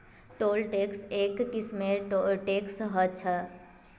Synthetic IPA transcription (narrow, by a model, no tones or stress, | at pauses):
ʈoːlʈeːkseːkːɪsmẽɾoʈeːksɦət͡ʃʰə